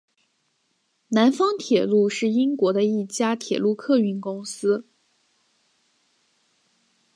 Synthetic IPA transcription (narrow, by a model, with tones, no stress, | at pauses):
na˧˥nfɑ˥ŋt̪ʰjɛ˨˩lu˥˧ʂɻ̩˥˩i˥ŋkwɔ˧˥d̪ə˧i˥˩t͡ɕja˥t̪ʰjɛ˨˩lu˥˧kʰɤ˥˧y˥˩nkʊ˥ŋsɹ̩˥